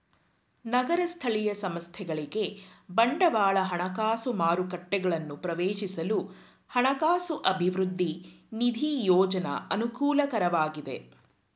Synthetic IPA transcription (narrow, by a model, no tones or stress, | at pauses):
nɐɡɐɾɐst̪ʰɐɭijɐsɐmɐst̪ʰɛɡɐɭiɡe̞bɐɳɖɐʋaːɭɐɦɐɳɐkaːsumaːɾukɐʈːɛɡɐɭɐnːupɾɐʋeːʃisɐlu | hɐɳɐkaːsuʔɐbʱiʋɾud̪ʱːinid̪ʱijɔːd͡ʒɐnɐ̰ɐnukuːlɐkɐɾɐʋaːɡid̪e̞̰